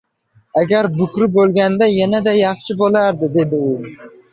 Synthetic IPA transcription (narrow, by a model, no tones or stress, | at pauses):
aɡʲaɾbʊkʲɾɪbolˠɡʲand̪ajanad̪ajɑχʃɪbolaɾd̪ɪd̪e̞d̪ɪʊ